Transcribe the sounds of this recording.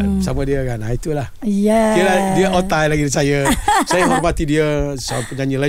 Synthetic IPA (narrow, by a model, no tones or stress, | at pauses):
samadiəɡanait̪ulahkiəladiəʔot̪ajlaɡidisajəsajəɦɔrmat̪idiəsəpəɲaɲila